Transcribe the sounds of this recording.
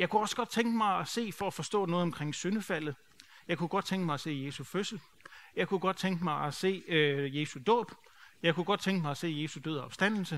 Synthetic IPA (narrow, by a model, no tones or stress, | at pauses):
jɑ̈ɪkuɒ̽sɡ̥ɒ̽d̥̚t͡sʰeŋɡ̥əmɑ̈ɪæse̝̰ːfɒ̽æfɒ̽sd̥ɔ̰̽ːnɔ̽ːð̩ˠɒ̽mkʰʁeŋ̰sønəfæl̰ð̩ˠ | jɑ̈ɪkʰuɡ̥ɒ̽d̥̚t͡sʰeŋɡ̥əmɑ̈ɪæse̝̰ːje̝ːsuføsl̩ | jɑ̈ɪkʰuɡ̥ɒ̽d̥̚t͡sʰeŋɡ̥əmɑ̈ɪæse̝̰ːje̝ːsud̥ɔ̰ːb̥ | jɑ̈ɪkʰuɡ̥ɒ̽d̥̚t͡sʰeŋɡ̥əmɑɪæse̝̰ːje̝ːsud̥øð̰ˠɐɒ̽b̥sd̥æn̰l̩sə